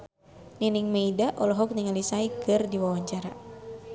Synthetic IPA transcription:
niniŋmeidaʔɔlɔɦɔk̚niŋalisaikɨrdiwawaɲt͡ʃaɾa

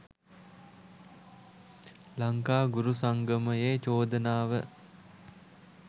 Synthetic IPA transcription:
laŋkaːɡuɾusaŋɡəməeːt͡ʃoːd̪ənaːʋə

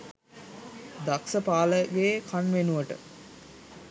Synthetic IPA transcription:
d̪aksəpaːləɡeːkʰanʋenuʋəʈə̰

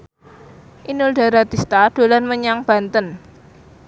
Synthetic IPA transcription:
ʔinʊlɖa̤ɾat̪ist̪ad̪̥o̤lanməɲaŋb̥ä̤nt̪ən

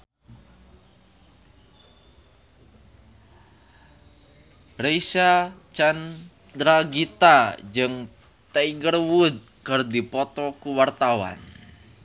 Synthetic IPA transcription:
reisat͡ʃan | d̪ɾaɡit̪ad͡ʒɨŋ | t̪aiɡərwud̪̚ | kɨrdipɔt̪ɔkuwart̪awa̰n

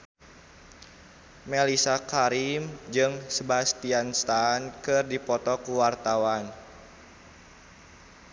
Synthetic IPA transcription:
melisakaɾimd͡ʒɨŋsəbast̪ianst̪ankɨrdipɔt̪ɔkuwart̪awan

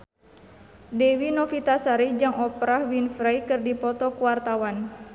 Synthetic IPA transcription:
dɛwinɔfit̪asaɾid͡ʒɨŋɔpɾahwinfɾajkɨrdipɔt̪ɔkuwart̪awan

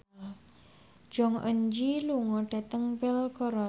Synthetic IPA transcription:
d͡ʒ̥ɔŋʔə̰ɲd͡ʒiluŋɔɖ̥a̤t̪əŋbɪlkɔɾɔ

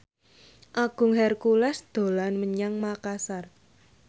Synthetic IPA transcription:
ʔaɡ̥ʊ̤ŋhɛrkulɛsd̪̥o̤lanməɲaŋmakasar

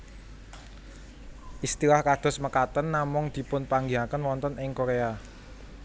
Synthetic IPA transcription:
ʔist̪ilahkad̪̥ɔ̤sməkat̪ənːamʊŋd̪̥i̤pʊnpaŋɡiakənwɔnt̪ənʔɪŋkoɾea

